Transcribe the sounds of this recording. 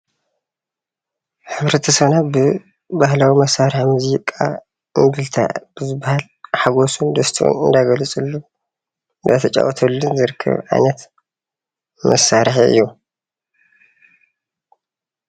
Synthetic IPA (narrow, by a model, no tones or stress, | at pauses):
ħɨβɾɐt̪ʰɐsɐβnabɨ | bahlawimɐsːaɾħmuziɪkʼːa̰ | ɨŋɡ̪ɨlt̪ʰa̰b̥ɨzɨbːahal | ħaɡosund̪ɐst̪ʰiʔṵnɨnd̪aɡɐlɨt͡sʼɨlːu | nd̪at̪ʰɐt͡ʃʼa̰wɔt̪ʰɐlːunzɨɾɨkʰːɐ̰βʕa̰jnɐt̪ | mʔɐsːaɾħiɨ̰jːu